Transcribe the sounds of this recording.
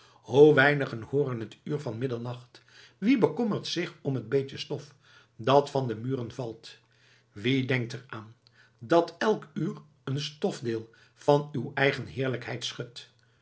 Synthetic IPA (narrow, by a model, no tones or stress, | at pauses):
howʋɛjnəχənhʊːɾənɦətyːɹvɑnmɪdənnɑχt | ʋibəkɔməɹtsɪχɔmɦəd̚bejtəstɔf | dɑtfɑndəmyːrənvɑlˠt | ʋidɛŋk̚təraːn | dɑtɛlˠkyːr | ənstɔfdɪːlˠ | v̥ɑnywɛjχənɦɪːɹləkɦɛjtsχɵt